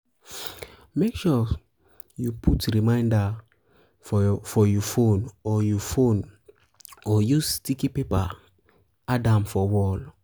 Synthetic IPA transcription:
mekʃɔ | jupʰutɹimãɪ̃nda | fɔfɔjɔfonɔjufõn | ɔjustikipepa̰ | adãmfɔwɔl

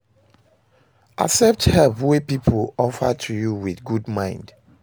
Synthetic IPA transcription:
ʔa̰sɛp̚thɛlpwepipʰolɔfətʰujuwiθɡudmãɪ̃nd̥

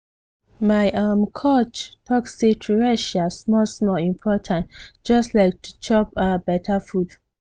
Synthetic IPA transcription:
maɪʔamkʰɔt͡ʃtʰɔksetʰuɹɛʃasmɔsmɔlĩmpʰɔtʰãntd͡ʒɔstlaɪk̚tʰu̥t͡ʃɔpabɛtʰafud̥

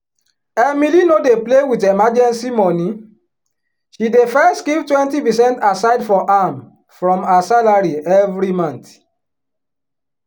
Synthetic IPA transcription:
ɛmilinodeplewitemad͡ʒɛ̃nsimɔnĩ | ʃidefɛstɡivtwɛ̃ntipɛsɛ̃ntasaɪdfɔʔam | fɹɔ̃masalaɹiɛvɹimãnt

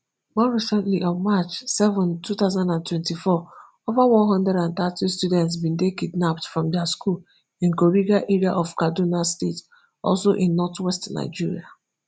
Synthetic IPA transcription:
mɔɹisɛ̃ntliʔɔ̃nmat͡ʃsɛvə̃ntʰuθaʊzãndãntwɛ̃ntifɔ | ovawɔ̃nɦʌ̃ndɹɛdãnt̪atistudɛ̃ntsbĩndekidnaptfɹɔ̃mdɛaskul | ĩnkoɹiɡaʔɛɹiaʔɔv̥kadunastet | ɔ̰lˠsoʔĩnːɔtwɛstna̰ɪd͡ʒiɹḭa

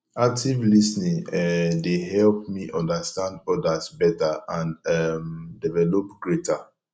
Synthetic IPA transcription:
ak̚tʰivlisnĩŋɛdeɦɛlp̚miʔɔ̃ndastãndɔdasbɛtaʔãnɛmdɛvɛlopɡɹetʰa

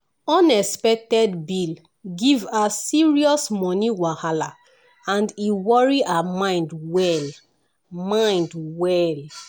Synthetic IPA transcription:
ɔ̃nɛspɛk̚tɛdbil | ɡivasiɹiɔsmɔniwahala | ãndiwɔɹiʔaamãɪ̃ndwɛl | mãɪ̃ndwɛl

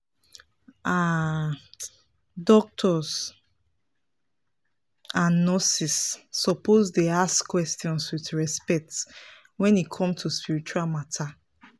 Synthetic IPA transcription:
ʔa | dɔk̚tʰɔs | ãnːɔsisːɔpʰozdeaskwɛstiɔ̃nswitɹɛspɛk̚t | wɛ̃nikʰɔ̃mtʰuspiɹit͡ʃualmatʰa

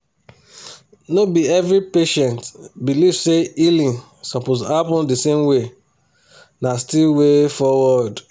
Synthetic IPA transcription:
nobiɛvɾipeʃɛ̃ntbilivseilĩn | sɔpozhapɔ̃ndisẽmwe | nastilwefɔwɔd

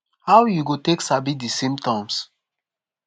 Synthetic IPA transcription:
hawjuɡoteksabidisĩmtɔ̃ms

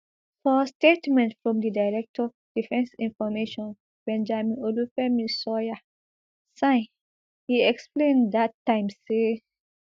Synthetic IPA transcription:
fɔstetmɛ̃ntfɹɔ̃mdidaɪɹɛk̚tʰɔ | d̥ifɛ̃nsĩnfɔmeʃɔ̃n | bɛ̃nd͡ʒamĩnolufɛmĩnsɔja | sã | hiɛksplẽndatːãɪ̃mse

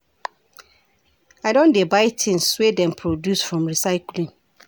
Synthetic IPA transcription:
aɪdõndebaɪtʰɪ̃nswedɛ̃mpʰɹodjusfɹɔ̃mɹisaɪklĩŋ

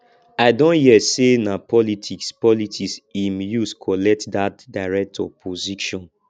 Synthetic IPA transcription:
aɪdõnhiɛsenapɔlitʰikspɔlitʰisimjuskʰɔlɛk̚tdatdaɪɹɛk̚tʰɔpʰoziʃɔ̃n

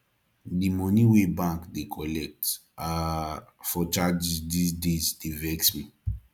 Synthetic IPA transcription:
dimɔniwebãŋkdekʰɔlɛk̚t | a | fɔt͡ʃad͡ʒisdisdezdevɛksmi

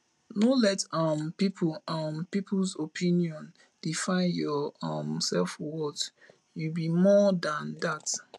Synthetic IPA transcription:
nolɛtampipʰuãmpipʰlsopʰĩniɔ̃n | d̥ifãɪnjɔamsɛlfwɔt | jubimɔdãndat

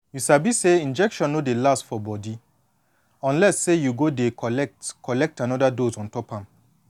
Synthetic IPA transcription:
jusabiseĩnd͡ʒɛkʃɔ̃nːodelastfɔbɔdi | ɔ̃nlɛsːejuɡodekɔlɛk̚tkʰɔlɛk̚tãnɔdadozɔ̃ntɔpãm

